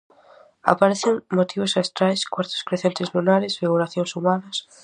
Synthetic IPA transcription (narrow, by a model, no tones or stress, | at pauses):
a̰paɾeθɪŋmot̪ʰiβʊsast̪ɾajskwaɾt̪o̥skɾeθẽnt̪ɪzlunaɾɪsfiɣuɾaθjõŋsumanɐs